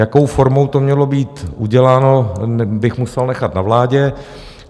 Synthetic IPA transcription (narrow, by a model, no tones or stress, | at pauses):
jako̞wfoɾmo̞wt̪o̞mɲɛlo̞biːt̪ʔuɟɛlaːno̞bɪxmusɛlnɛxat̪navlaːɟɛ